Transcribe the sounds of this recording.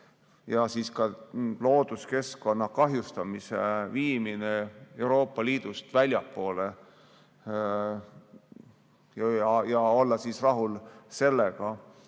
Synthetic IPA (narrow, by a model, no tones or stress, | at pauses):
jɑsiːskɑlo̞ːd̪̥uske̞sko̞nːɑkɑɦjust̪ɑmiseviːminee̞wɾo̞ːpːˑɑliːd̪̥ust̪vælʲjɑpːo̞ːle | ɑjɑo̞lːɑsiːsrɑɦulse̞lːeɡɑ